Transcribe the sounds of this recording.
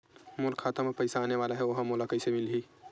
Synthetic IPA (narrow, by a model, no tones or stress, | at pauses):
mʊlkʰaːt̪əmepɐɪsaːneʋaːlaɦɛʋɐɦmoːlakəisemɪlɦiː